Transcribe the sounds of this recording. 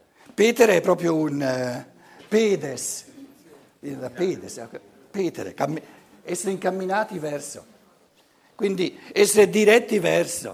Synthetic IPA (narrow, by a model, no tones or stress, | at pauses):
peːt̪eɾeɛpːɾɔːpɾjoun | peːd̪es | d̪id̪apeːd̪esk | pɛːt̪ḛɾḛkamːi | ɛsːeɾeiŋkamːinaːt̪ivɛɾso̰ | kwind̪iɛsːeɾed̪iɾɛt̪ːivɛɾso̰